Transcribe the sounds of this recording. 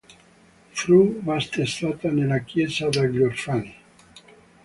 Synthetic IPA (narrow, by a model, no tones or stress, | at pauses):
fɾumast̪est̪at̪anelakjezad̪aɡoɾfani